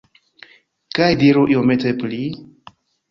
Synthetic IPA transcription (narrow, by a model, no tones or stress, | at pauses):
kajdiɾuʔiometepli